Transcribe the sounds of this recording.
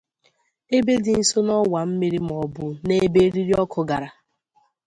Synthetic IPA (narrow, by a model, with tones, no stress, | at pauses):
e˦be˦dɪ˨n̩˦˨so˦nɔ˦wa˨m̩˦mi˦ɾi˦m̩˨ɔ˨bʊ˨ne˦be˦ɾi˦ɾi˦ɔ˦kʰʊ˨ɡa˨ɾa˨